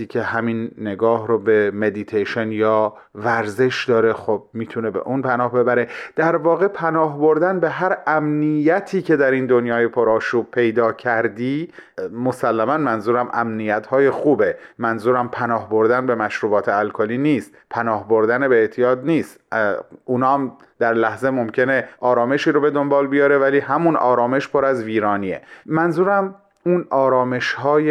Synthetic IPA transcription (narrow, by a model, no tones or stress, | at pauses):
iːcʲʰe̞hæminːe̞ɡɒːhɾobe̞me̞d̪it̪ʰeʃenjɒː | væɾze̞ʃd̪ɒːɾe̞xob̚miːt̪ʰune̞be̞̰ʔunpʰænɒːhbe̞bæɾe̞d̪̥æɾvɒːɣepʰænɒːhbo̞ɾd̪ænbe̞ɦæɾæmnijæt̪ʰiːcʰe̞d̪æɾind̪o̞njɒːjepʰoɾɒːʃuːb̚pʰe̞jd̪ɒːcʰæɾd̪iː | mo̞sælːæmænmænzuːɾæmʔæmnijæt̪hɒːje̞xuːbe̞mænzuːɾæmpʰænɒːhboɾd̪ænbe̞mæʃɾuːbɒːt̪ʰeælkʰoliːniːst̪pʰænɒːhbo̞ɾd̪ænebeeːʔt̪ʰijɒːd̪niːst̪ | unɒːæm | d̪̥æɾlæhze̞mo̞mcʰe̞ne̞ʔɒːɾɒːme̞ʃiːɾobe̞d̪o̞mbɒːlbijɒːɾe̞væliːhæmunɒ̰ːɾɒːme̞ʃpʰoɾæzviːɾɒːniːḛmænzuːɾæm | uːnɒːɾɒːme̞ʃhɒːje